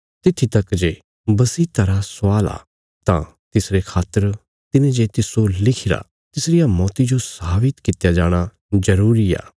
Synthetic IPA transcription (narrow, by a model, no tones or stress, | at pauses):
t̪ɪt̪ʰːit̪ɐkd͡ʒe | bɐsit̪ɐɾasaːla̰ː | t̪ã̰ | t̪ɪsɾekʰaːt̪ːəɾ | t̪ɪnẽd͡ʒet̪ɪsolɪkʰɪɾa̰ | t̪ɪsɾɪjamɔːt̪id͡ʒosaːbɪt̪kɪt̪jad͡ʒaːɽ̃a | d͡ʒɐɾuːɾia̰ː